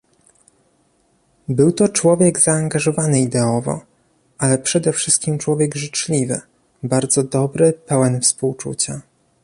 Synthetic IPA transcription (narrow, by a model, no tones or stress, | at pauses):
bɘwt̪ɔt͡ʂwɔvʲjɛɡzaːŋɡaʐɔvanɘid̪ɛɔvɔ̰ | ʔalɛpʂɛd̪ɛfʂɘst̪̚kʲimt͡ʂwɔvʲjɛɡʐɘt͡ʂlʲivɘ̰ | baɾd̪zɔd̪ɔbɾɘpɛwɛnfspuwt͡ʂṵt͡ɕa